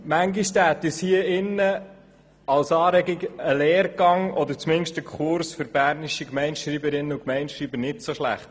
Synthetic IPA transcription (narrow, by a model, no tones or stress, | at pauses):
mæŋɡiʃtæːt̪ɪshiəɪnːə | ɑlsɑːɾɛɡɪɡəlɛːɾɡ̥ɑŋɔd̪əɾt͡smɪnʃtəkʰχʊɾsfʏɾbæːɾniʃikmɛɪnʃɾiːbəɾɪnːəukmɛɪnʃɾiːbəɾnɪtsoʃlæ̰χt